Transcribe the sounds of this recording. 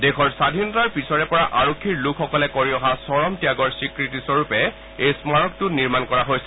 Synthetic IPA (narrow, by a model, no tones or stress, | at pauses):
dɛkʰɔɹsadʱinɔtaɹpisɔɹɛpɔɹaʔaɹokʰːiɹlukʰxɔkɔlɛkoɹiɔɦasɔɹɔmtijaɡɔɹsikɹitisɔɹupɛ | ejsmaɹɔk̚tʊniɹmankɔɹaɦojsɛ